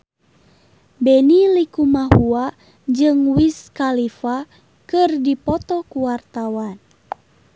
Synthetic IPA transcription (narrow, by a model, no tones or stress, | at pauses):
bɛnilikumahua | d͡ʒɨŋwiskalifa | kɨrdipɔt̪ɔkuwart̪awan